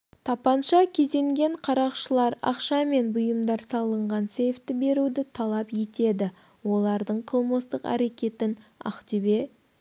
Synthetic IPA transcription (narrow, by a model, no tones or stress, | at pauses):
t̪ʰɑpɑnʃɑkʲʰe̞ze̞ŋɡʲe̞ɴqʰɑɾɑqʃəlˠɑɾɑ̰qʃɑme̞nbʊjəmd̪ɑɾsɑlˠəɴʁɑnse̞jft̪ːɪbe̞ɾud̪ɪt̪ʰɑlˠɑpje̞t̪e̞d̪ɪ | wo̞lˠɑɾd̪əɴqʰəlˠməst̪əqæ̰ɾe̞kʲe̞t̪ɪnɑ̰qt̪ʏbe̞